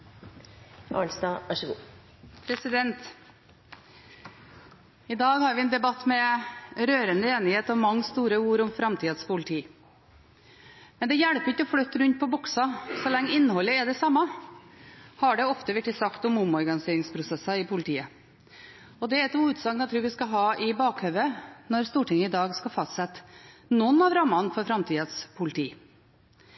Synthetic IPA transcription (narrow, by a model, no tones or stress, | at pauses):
ʔɑ̰lsd̪ɑːʋæʂəɡṵː | pʰɾɛsɪd̪ɛnt̪ | ɪd̪ɑːɡhɑɾʋɪɛnd̪ɛbɑt̪ːmɛɾøːɾənd̪əeːnɪheːt̪ɔmɑŋːst̪uːɾəuːɾɔmfɾɑmt̪ʰiːd̪spʰʊlɪt̪ʰiː | mɛnd̪ɛjæɽpəɾɪçːəɔfɽœt̪ːəɾʉnt̪̚pʰɔbʊksɑsɔlɛŋːəɪnːəhɔlːəɛɖ̪ɛsɑmːɑ | hɑɖɛɔft̪əʋɛʈːɪsɑkt̪ɔmʊmɔɾɡɑnɪseːɾɪŋspʰɾʊsɛsɑɪpʰʊlɪt̪ʰiːə | ɔd̪ɛæɛt̪uːʉːt̪sɑɡnɑt̪ʰɾʉːɾʋɪskɑɦɑːʔɪbɑːkhœʋənɔɾst̪uːʈɪŋːəɪd̪ɑːɡskɑfɑst̪sɛt̪ːnɔnːɑʋɾɑmːɑnfɔɾfɾɑmt̪ʰiːd̪əspʰʊlɪt̪ʰiː